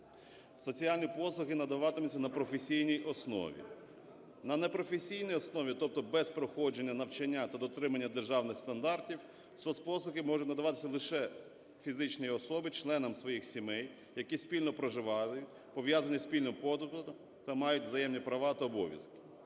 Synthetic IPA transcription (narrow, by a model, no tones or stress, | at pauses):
sɔt͡sʲialʲnʲipɔsˠʊɦɪnɐd̪ɐʋɑt̪ɪmesʲɐnɐpɾɔfesʲijnʲijʔɔsnɔ̰ʋʲḭ | nɐnepɾɔfesʲijnijɔsnɔʋʲit̪ɔp̚t̪ɔbɛspɾɔxɔd͡ʒe̞nʲːɐnɐwt͡ʃɐnʲːat̪ɐd̪ɔt̪ɾɪmɐnʲːɐd̪erʒɑwnɪxst̪ɐnd̪ɑrtʲiw | sɔspɔsˠʊɦɪmɔʒʊtʲnɐd̪ɐʋɑt̪ɪ̥sʲɐlˠɪʃɛ | fʲizɪt͡ʃnɔjiɔsɔbɪt͡ʃlˠɛnɐmsʋɔjixsʲimɛj | jɐkʲisʲpʲilʲnɔpɾɔʒɪʋɑjʊtʲ | pɔʋʲjazɐnʲisʲpʲilʲnɔmpɔd̪ʊt̪ʊ | t̪ɐmɑjʊtʲʋzɐjɛmnʲipɾɐʋɑt̪ɐɔbɔ̰ʋjɐ̰skɪ̥